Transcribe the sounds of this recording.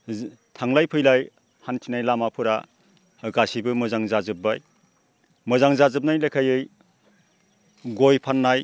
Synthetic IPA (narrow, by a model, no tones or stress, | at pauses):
tʰaŋlajpʰɯjlaj | hantʰinajlamapʰɯɾa | ɡasibɯmɯzaŋzazɯp̚baj | mɯzaŋzazɯp̬̚najlajkʰajɯj | ɡojpʰanːaj